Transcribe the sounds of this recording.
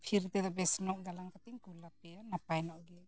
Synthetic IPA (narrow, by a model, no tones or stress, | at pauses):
pʰiɾt̪ɛd̪ɔbɛsnɔʔɡalaŋkat̪iŋkulap̚ɛanapajnɔʔɡɛ